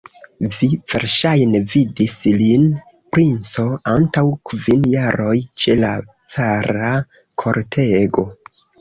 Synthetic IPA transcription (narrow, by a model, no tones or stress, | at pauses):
viv̥e̞ɾʃajne̞vidislin | pɾint͡so̞antawkvinjaɾo̞jt͡ʃe̞la | t͡saɾa | kʰo̞ɾtʰe̞ɡo̞